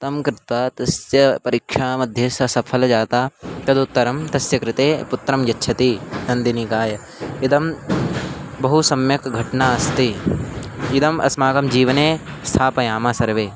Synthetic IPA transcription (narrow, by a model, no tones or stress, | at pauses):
t̪ɐmkɾɪt̪ʋat̪ɐsjɐpɐɾikʂaːmɐd̪ʱjesɐsɐpʰɐld͡ʒaːt̪aːk̪ɐd̪ut̪ːɐɾɐmt̪ɐsjɐkɾɪt̪eːput̪ːɾɐmjɐtːʃʰɐt̪inɐnd̪inikaːjɐ | id̪ɐm | bɐɦusɐmjɐkɡʱɐʈnaːɐst̪i | ɪd̪ɐmʔɐ̰smaːɡɐmd͡ʒiːʋɐneː | st̪ʰaːpɐjaːmaːsɐɾʋeː